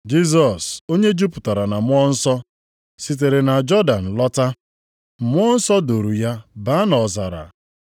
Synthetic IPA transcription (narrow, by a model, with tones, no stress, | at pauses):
d͡ʒi˦z̬ɔ˨so˦ɲe˦d͡ʒu˦pʊ̥˨ta˨ɾa˨na˨mʷ˦ɔ˦n̩˦sɔ˦ | si˨t̬e˨ɾe˨na˨d͡ʒɔ˦da˨n̩˨lɔ˦ta˦˨ | mʷ˦ɔ˦n̩˦sɔ˦do˨ɾu˨ja˦ba˦nɔ˨za˨ɾa̰˨